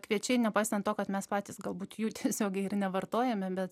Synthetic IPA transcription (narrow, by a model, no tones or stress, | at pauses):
kʋʲiɛt͡ʃʲɛɪnʲɛpɑɪst̪ɐnt̪oːkɐt̪mʲɛspɑːt̪ʲiːsɡɐlˠbuːt̪juːt̪ʲiɛsʲoːɡʲɛɪɪrnʲɛʋɐrt̪oːjɛmʲɛbʲɛt̪